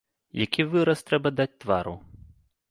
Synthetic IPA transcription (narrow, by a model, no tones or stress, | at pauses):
jakʲʰivɨɾɐst̪ɾɛbɐd̪at͡sʲt̪vaɾu